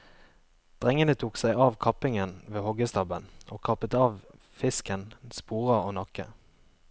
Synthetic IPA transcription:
d̪̥ʁɛŋənət̪ʰuːksæɪʔɑːʋkʰɑpɪŋənʋeːhɔɡəst̪ɑbənʔo̰ːkʰɑpət̪ɑːʋ | fɪskənspuːʁəoːnɑkə̰

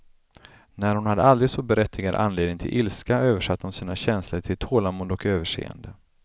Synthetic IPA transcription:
næɾhʊnhad̪ːəald̪ɾɪɡsɔbɛɾɛt̪ʰːɪɡaɾə̰ʔanleːd̪ɪŋt̪ʰɪ̰lʔɪlskaøːvəʂat̪ːhʊnsiːnaɕɛnsləɾʈʰɪlt̪ʰoːlamʊnd̪ɔkøːvəʂḛːə̰nd̪ə

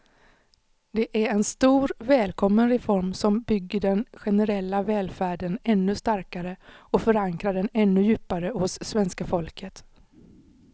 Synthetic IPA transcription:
d̪ɛʔæɾɛnst̪uːɾvɛːlkʰɔmːənɾɛfɔɾmsɔmbʏɡːəɖɛnɧɛnəɾɛlːavɛːlfæːɖənɛnːɵst̪aɾkaɾəɔfœɾaŋkɾaɖɛnɛnːɵjʉ̟ːpaɾəhʊsːvɛnskafɔlkʰət̪

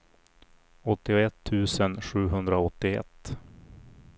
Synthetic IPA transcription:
ɔt̪ːɪɛt̪ʰːʉ̟ːsənɧʉ̟ːɦɵnd̪ɾaɔt̪ːɪɛ̰t̪ː

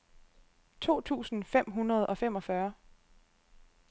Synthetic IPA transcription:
t͡sʰo̝̰ːt͡sʰṵːsn̩fem̰ɦunɐð̞̩ˠʔɒ̽fem̰ɒ̽fɶɐ

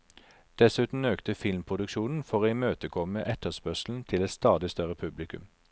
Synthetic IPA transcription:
d̪̥ɛsʉːt̪n̩øːkt̪əfɪlmpʰʁʊd̪ʉkʃuːnn̩fɔʁoːiːmøːt̪əkʰɔməʔɛt̪əʁspœʁʃl̩n̩t̪ʰɪlɛt̪st̪ɑːd̪ɪst̪œʁəpʰʉblɪkʉ̰m

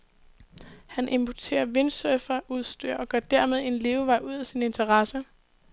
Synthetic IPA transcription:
hænʔe̝mpʰot͡sʰe̝̰ːɐʋe̝nsøfɐʔuð̞̰ˠsd̥y̰ːɐ̰ʔɒ̽ɡ̥ɶɐd̥æɐmeð̞ˠe̝nle̝ːʊʋɑ̈ɪ̰ʔuð̞̰ˠæsine̝nt͡sʰɐʁɑ̈sə

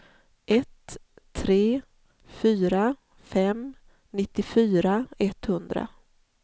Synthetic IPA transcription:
ʔɛt̪ʰːɾeː | fyːɾa | fɛm | nɪt̪ːɪfyːɾaɛt̪hɵnd̪ɾa̰

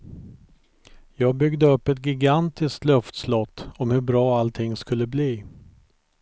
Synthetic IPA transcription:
jɑːɡ̚bʏɡd̪əɵpːɛt̪̚ɡɪɡant̪ɪskt̪lœft̪slɔt̪ːɔmhɵbɾɑːalt̪ʰɪŋːskɵlːəbliː

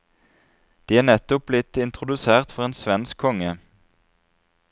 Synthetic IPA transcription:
d̪̥iːæːnɛt̪ʊp̚blɪt̪ɪnt̪ʁʊd̪ʉseːʁt̪fɔʁeːnsʋɛnskʰɔŋə

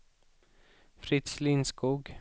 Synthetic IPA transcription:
fɾɪt̪slinskuːɡ

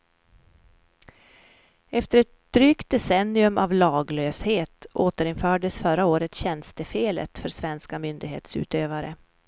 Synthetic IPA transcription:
ɛft̪əɾɛt̪̚d̪̥ɾyːkt̪̚d̪ɛsɛnːɪɵmʔavlɑːɡløːsheːt̪oːt̪əɾɪnfœːɖəsfœɾaoːɾət̪ɕɛnst̪əfeːlə̰t̪fœɾsvɛnskamʏnd̪ɪɡhḛːt̪sʉ̰ːt̪øːvaɾə

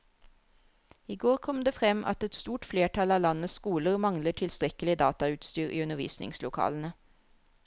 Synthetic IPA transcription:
iːɡoːʁkʰɔmd̪eːfʁɛmʔɑ̰t̪ɛt̪st̪uːʈfleːʈʰɑlɑːlɑnəskuːləʁmɑŋləʈʰɪlst̪ʁɛkəlɪd̪ɑːt̪ɑʉːt̪st̪yːʁʔḭːʉnəʁʋḭːsnɪ̰ŋslʊkʰɑ̰ːlən̩ə

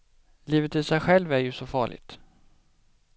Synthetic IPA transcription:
liːvət̪ɪlsɛjɧɛlvæɾjɵsɔfɑ̰ːɭɪ̰ɡt̪

